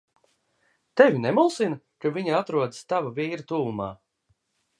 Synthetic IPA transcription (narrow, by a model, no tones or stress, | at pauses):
t̪ɛvʲinɛmulˠsina | kavʲiɲaat̪ɾuɔd̪i̥st̪avavʲiːɾat̪uːlˠuma̰ː